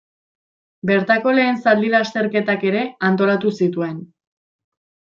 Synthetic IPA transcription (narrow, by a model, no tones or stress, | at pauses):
be̞ɾt̪ako̞le̞ːnsald̪iɾast̪e̞ɾke̞t̪ake̞ɾe̞ant̪o̞lat̪usit̪ue̞n